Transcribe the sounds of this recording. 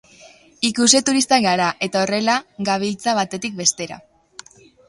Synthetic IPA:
ikuse̞t̪uɾist̪aɣaɾaʔe̞t̪ao̞re̞laɡaβ̞ilt͡saβ̞at̪e̞t̪ik̚be̞st̪e̞ɾa̰

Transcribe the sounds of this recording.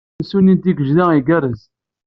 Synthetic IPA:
sunind̪iɡəʒðæiɡæɾəz

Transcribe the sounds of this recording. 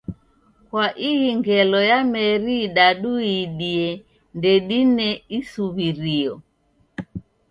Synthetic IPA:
kwaʔijiŋɡɛlɔjamɛɾiɗaɗuiɗiɛ | ndɛɗinɛisuβiɾiɔ

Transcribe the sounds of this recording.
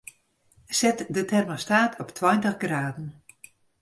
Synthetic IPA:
sɛtdətʰɛrmastaːtʰɔptʰwɔjntəχɡraːdn̩

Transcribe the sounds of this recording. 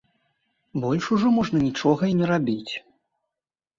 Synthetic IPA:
bɔlʲʂuʐɔmɔʐnɐnʲit͡ʂɔɣɐinʲɛɾabʲit͡sʲ

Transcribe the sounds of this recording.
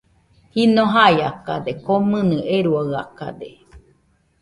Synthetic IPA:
hinoɦajakad̪ekomɨ̃nɨʔeɾuaɰaka̰d̪e

